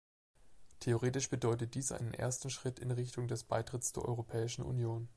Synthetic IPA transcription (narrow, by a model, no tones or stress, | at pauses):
tʰeoʁeːtɪʃb̥ədɔʏtət̚d̥iːsʔa̰ɪnənʔḛːɐstn̩ʃʁ̥ɪtɪnʁɪçtʊŋdɛsb̥aɪtʁ̥ɪtsd̥eːɐʔɔ̰ʁopʰɛːɪʃn̩ʔṵnjoːn